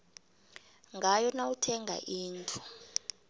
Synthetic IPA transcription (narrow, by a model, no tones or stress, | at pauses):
ŋɡʱajɔnawutʰɛŋɡʱa̰ʔiːntʰʼu̥